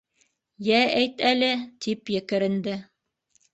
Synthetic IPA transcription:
jææjt̪ælɘt̪ipjɘ̆kɘ̆ɾɘ̆nd̪ɘ

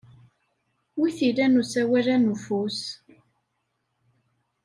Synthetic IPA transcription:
wiθilænusæwælænufus

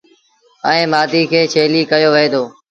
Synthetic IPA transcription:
əẽːmaːd̪iːkʰeːt͡ʃʰeːliːkəjoːʋəeːd̪oː

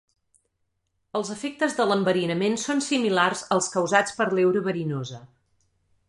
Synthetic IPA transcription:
əlˠzəfek̚t̪əzðələmbəɾinəmensonsimilarzəlˠskəwzat͡spəɾlɛwɾəβəɾinozə

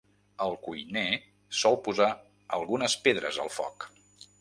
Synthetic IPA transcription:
əlˠkujne | sɔlˠpuza | əlˠɣunəspeðɾə̰zə̰lˠfɔ̰k

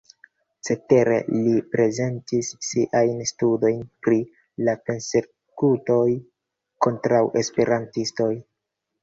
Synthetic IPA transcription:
t͡se̞te̞ɾe̞̰lipɾe̞ze̞ntisːiʔajnstudo̞jnpɾi | lape̞nse̞ | kuto̞j | ko̞ntɾawʔe̞spe̞ɾantisto̞j

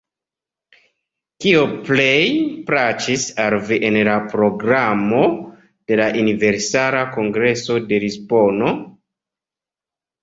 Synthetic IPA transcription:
kiople̞jpɾat͡ʃisalviʔenlapɾo̞ɡɾamo̞ | d̥e̞laʔunive̞ɾsaɾako̞ŋɡɾe̞so̞de̞ɾispo̞no̞

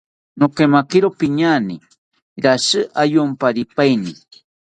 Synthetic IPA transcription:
nokemakɪɾopiɲani | ɾasɨʔajompaɾipajni

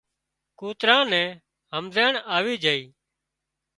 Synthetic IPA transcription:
kuːt̪ɾãːnɛ̃ː | ɦəmzeːɳaːʋiːd͡ʒəːiː

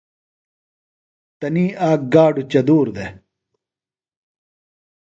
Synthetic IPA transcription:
t̪ɐniːʔaːk̚ɡaːɖut͡ɕɐd̪uːɾd̪e

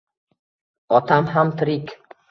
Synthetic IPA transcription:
ɒt̪ʰamɦamt̪ʰɾɪkʲ

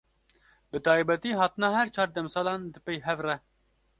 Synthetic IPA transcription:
bɨt̪ɑːjbɛt̪iːɦɑːt̪ɨnɑːhɛɾt͡ʃʰɑːɾd̪ɛmsɑːlɑːnd̪ɨpejɦɛvrɛ

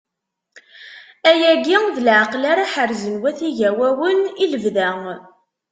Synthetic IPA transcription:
æjæɡiŋðəlʕaqlaɾaħəɾzənwæθiʝæwæwəniləvðæŋ

